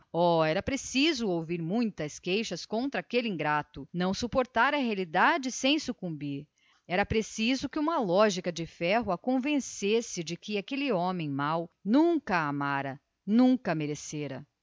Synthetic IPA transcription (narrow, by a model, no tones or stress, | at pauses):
ɔɛɾɐpɾesizʊowviɾmũj̃t̪ɐskejʃɐskõnt̪ɾɐakeliĩŋɡɾat̪ʊnɐ̃w̃supoɾt̪aɾɐɦealid̪ad͡ʒɪsẽj̃sukũmbiɾ | ɛɾɐpɾesizʊkɪũmɐlɔʒikɐd͡ʒɪfɛɦʊɐkõvẽsesɪd͡ʒɪkɪakelɪɔ̃mẽj̃mawnũŋkɐamaɾɐ | nũkɐmeɾeseɾɐ̰